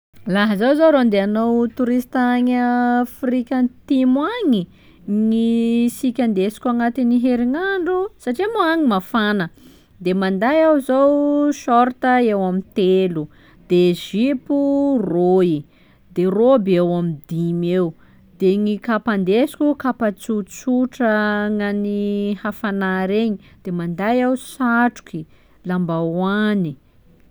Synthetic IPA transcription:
laɦəzowzoɾond̪eanowt̪uɾist̪aɲafɾikʲant̪imwaŋi | ŋisikʲand̪esi̥kʲuaŋat̪iniɦeɾiŋaɳɖ͡ʐusaʈ͡ʂimuaŋimafanə | d̪emand̪ajawzowʃɔɾt̪əewamint̪elu | d̪̥eʒipuroi | d̪erobewamid̪imew | d̪̥eŋikapand̪esi̥kʲukapat͡sut͡suʈ͡ʂəŋanihafanaɾeɲid̪̥emand̪ajawsaʈ͡ʂu̥ki | lambawani

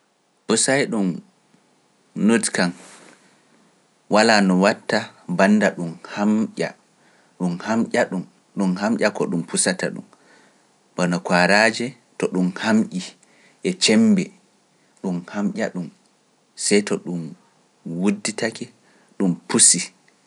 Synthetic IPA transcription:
pusajɗum | nodkan | walaːnɔwatːabanːdaɗumhamʔʲa̰ | ɗumhamʔʲaɗum | ɗumhamʔʲakɔɗumpusata̰ɗṵm | ɓɔnɔkwaɾaːd͡ʒɛ | tɔɗumhamʔi | ʔɛt͡ʃɛmbɛ | ɗumhamʔʲa̰ɗum | sɛjtɔɗum | wudːitakɛ | ɗumpusi

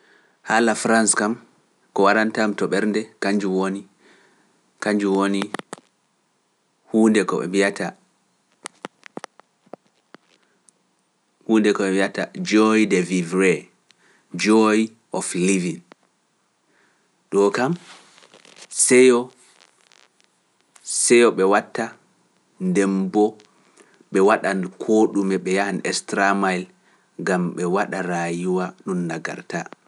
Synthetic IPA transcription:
halafɾanskam | kɔwaɾantamtɔɓɛɾndɛkaɲd͡ʒuwoni | kaɲd͡ʒuwoni | huːndɛkɔ̰ɛ̰miata | huːndɛkɔɓɛmiatad͡ʒɔjdɛvivɾɛ | d͡ʒɔj | ʔɔflivin | ɗɔkam | sɛjɔ | sɛjɔɓɛwatːa | ndɛmbɔ | ɓɛwaɗankʰoɗumɛɓɛjahanɛstɾamajl | ɡamɓɛwaɗaɾaːjiwaɗunːaɡa̰ɾta

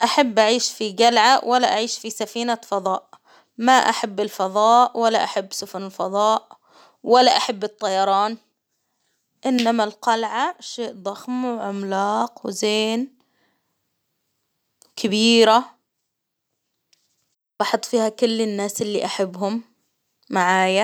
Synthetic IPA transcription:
ʔaħabːʔaʕiːʃfiɡalʕawʔalːaʔaʕiːʃfisafiːnafɑðˤɑːʔ | maʔaħabːɪlfɑðˤɑːʔwalːaʔaħabːsʊfʊnɪlfɑðˤɑːʔ | walːaʔaħabːɨt̪ˤːɑjɑɾˤɑːn | ʔɪnːamalqɑlʕaʃeːʔd̪ˤɑxmwʕʊmlɑːqwzeːn | kʰɪbiːɾa | bɑħɑt̪ˤfiːhakʊlːɪnːaːsɪlːiʔaħabːɦʊmː | aʕaːja

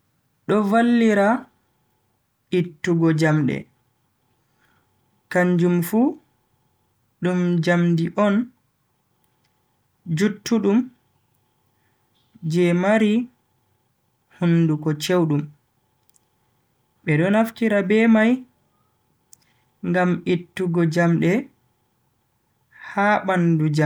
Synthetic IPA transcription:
ɗɔvalːiɾa | itːuɡɔd͡ʒamɗɛ̰ | kaɲd͡ʒumfu | ɗumd͡ʒamdiʔɔn | d͡ʒutːuɗum | d͡ʒɛmaɾi | hundukɔt͡ʃewɗum | ɓɛɗɔnaftiɾabɛmaj | ŋɡamʔitːuɡɔd͡ʒamɗɛ | haːɓandud͡ʒa

